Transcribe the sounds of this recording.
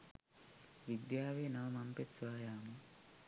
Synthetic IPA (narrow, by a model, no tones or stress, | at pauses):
ʋid̪jaːʋeːnɐʋɐmampet̪sʋaːjaːmu